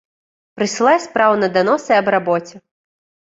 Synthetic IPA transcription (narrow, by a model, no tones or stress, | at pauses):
pɾɨsʲɨlˠajsʲpɾawnɐd̪anɔsɨɐbɾabɔt͡sʲɛ